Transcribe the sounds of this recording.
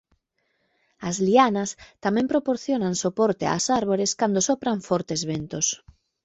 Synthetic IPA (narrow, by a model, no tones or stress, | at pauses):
azlianast̪amɛ̃mpɾopoɾθjonaŋsopoɾt̪ea̰saɾβoɾeskand̪osopɾaɱfɔɾt̪ezβent̪os